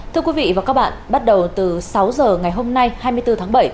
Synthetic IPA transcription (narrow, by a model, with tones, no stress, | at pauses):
t̪ʰɨ˧əkwi˨˦vḭ˧˨vaː˨˩kaː˦˥k̚ɓa̰ː˧˨nɓa˦˥t̚ɗə˨˩wt̪ɨ˨˩sa˨˦wzəː˨˩ŋa˨˩jɦo˧mna˧jhaː˧jmɨ˧əjt̪ɨ˧t̪ʰaː˨˦ŋɓə˧˩j